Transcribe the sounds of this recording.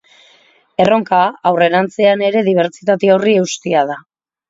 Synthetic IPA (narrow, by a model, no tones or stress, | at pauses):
e̞ro̞ŋkaawre̞ɾant͡se̞ane̞ɾe̞ðiβ̞e̞ɾt͡ʃit̪at̪eorie̞ust̪iaða